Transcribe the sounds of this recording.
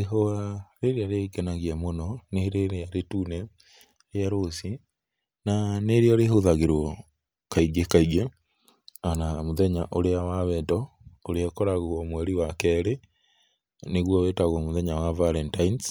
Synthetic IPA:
eɦoaɾeɾejaɾeikɛnaɣiamonɔneheɾeɾeaɾetunɛ | ɾeaɾosi | naneɾiɔɾehoðaɣeɾwɔ | kaiɡekaiɣe | anamoðɛɲaʔoɾeawaβɛtɔoɾeakɔɾaɣɔmwɛɾiwakɛɾe | neɣwɔwetaɣɔmoðɛɲawavaɾɛntains

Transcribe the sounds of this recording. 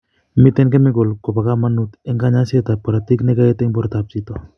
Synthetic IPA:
mit̪ɛnkemiɡolkopakamanut̪ɛŋɡaɲaset̪apaɾat̪iknɛkaet̪ɛŋbɔɾt̪apsit̪o

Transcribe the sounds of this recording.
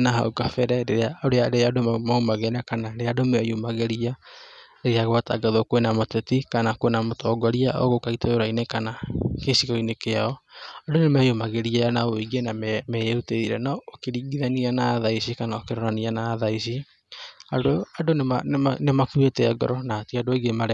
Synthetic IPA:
naɦa̰ukafɛɾɛɾeɾeaoɾeaɾeadomaumaɣɛnakanaɾeadomajumaɣɛɾia | eɾeaɣoata̰ɡaðokwenamotɛtikanakowenamotɔːɡɔɾiao̰ɣokaitajoɾainekanakesiɣoinekeaɔadonemɛjomaɣɛɾiaanaoeɡenammɛuteðiɾɛnaokeɾiːɡiðanianaːðaisikanaokeɾɔɾanianaːðaisi | aoadoanemakuetɛːɡɔ̰ɾɔnaːtiadooiɡemaɾɛ

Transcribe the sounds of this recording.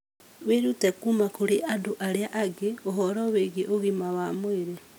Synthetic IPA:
weɾutekumakuɾeʔaduʔaɾjaʔaɡeoɦoɾoweɡeʔoɣimawamweɾe

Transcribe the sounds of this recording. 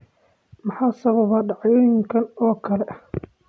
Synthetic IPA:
mɐħɑːsɐβɐβɐɖɑʕŋkʰɐnɔːkʰɐlɛ

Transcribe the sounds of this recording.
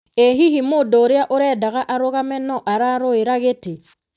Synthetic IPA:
eɦiɦimodɔɾeaʔoɾɛdaɣaʔaɾoɣamɛnɔʔaɾaɾoeɾaɣete

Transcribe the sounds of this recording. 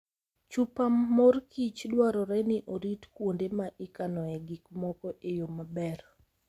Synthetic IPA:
t͡ʃupamːorkit͡ʃdwaɾɔɾɛnɪʔoɾitkwondemaʔɪkanɔɛɡikmɔkɔʔejomabɛr

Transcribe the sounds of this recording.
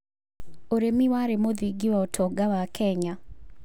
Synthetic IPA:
oɾemiwaɾemoðiɡiwaotʰɔɡawakʰɛɲa

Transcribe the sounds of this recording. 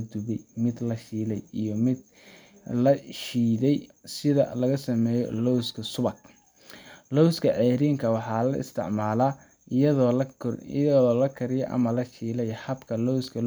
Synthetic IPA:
d̪ʊβɛjmɪd̪lɐʃiːlɛjijɔmɪd̪ | lɐʃiːðɛjsɪðɐ̰lɐɣɐsɐmɛːjɔ̰lɔwskʰɐsʊβɐk̚ | lɔwskʰɐʕɛːɾiːŋkʰɐwɑħɑːlɐ̰ɪ̰st̪ʰɪ̰ʕmaːlaː | ɐð̰ | ðɔːlɐkʰɐɾɪjɛ̰ʔɐ̰mɐlɐʃiːlɛjhɐbkʰɐlɔwskʰɐl

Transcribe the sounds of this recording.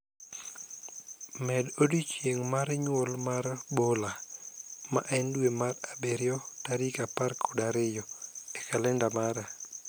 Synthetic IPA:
mɛdodit͡ʃjeŋmaɾɲwɔlmarbola | ma̰ʔɛndwemarabeɾjɔtaɾikapaɾkʰɔdaɾɪjɔekalɛndamaɾa

